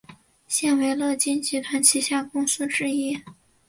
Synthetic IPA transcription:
ɕjɛ˥˩nwe˧˥ɪlɤ˥˩t͡ɕi˥nt͡ɕi˧˥t̪ʰwa˧˥nt͡ɕʰi˧˥ɕja˥˩kʊ˥ŋsɹ̩˥ʈ͡ʂɻ̩˥˧i˥

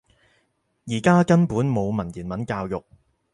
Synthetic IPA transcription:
jiː˨˩kaː˥kɐ˥npuː˨˥nmo˨˧wmɐ˨˩njiː˨˩nmɐ˨˥nkaː˧wjʊ˨k̚

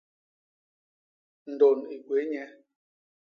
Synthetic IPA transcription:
n̩˨do˨ni˨ɡwe˨˦ɲɛ˦

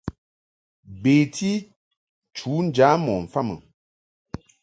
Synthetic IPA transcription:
beː˨ti˦ | t͡ʃuː˨˦n̩˦d͡ʒaː˨˦mɔ˨ɱ̩˨fa˦˨mə̰˨

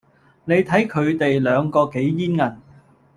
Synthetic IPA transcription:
ne˨˧jt̪ʰɐ˨˥jkʰɵ˨˧ɥt̪e˨jlœː˨˧ŋkɔː˧ke˨˥jjiː˥nŋɐ˨˩n

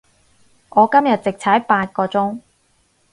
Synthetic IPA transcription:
ʔɔː˨˧kɐ˥mjɐ˨t̚t͡sɪ˨k̚t͡sʰɐː˨˥jpaː˧t̚kɔː˧t͡sʊ˥ŋ

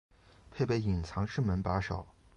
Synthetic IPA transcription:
pʰe˥˧ɪpe˥ɪi˨˩nt͡sʰɑ˧˥ŋʂɻ̩˥˩mə˧˥npa˧˥ʂɑ˨˩˦ʊ

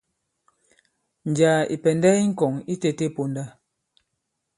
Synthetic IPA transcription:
n̩˨d͡ʒaː˨ḭ˨pɛ˨ndɛ˦i˦ŋ̩˦kɔ˨ŋi˦te˨te˦˨po˨nda˦

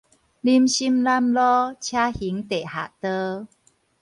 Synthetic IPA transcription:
li˦mɕi˦mla˦mlɔ˦t͡ɕʰja˦hi˨˦ŋt̪e˨˩ha˨˩t̪ə˦

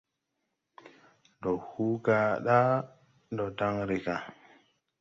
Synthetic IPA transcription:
ndo˨hu˦ka˨ɗa˦ | ndɔ˨ta˦ŋɾi˨ka˨

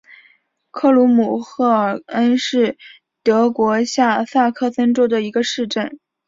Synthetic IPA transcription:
kʰɤ˥˩lu˧˥mu˨˩xɤ˥˩ə˨˩ə˥nʂɻ̩˥˩ | t̪ɤ˧˥kwɔ˧˥ɕja˥˧sa˥˧kʰɤ˥˩sə˥nʈ͡ʂo˥ʊd̪ə˨i˧˥ɡə˧ʂɻ̩˥˧ʈ͡ʂə˥˩n

